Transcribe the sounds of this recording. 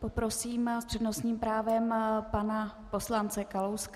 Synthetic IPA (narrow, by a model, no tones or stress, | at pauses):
popɾo̞siːmspr̥ɛdno̞sɲiːmpɾaːvɛmpanapo̞slant͡sɛkalowsk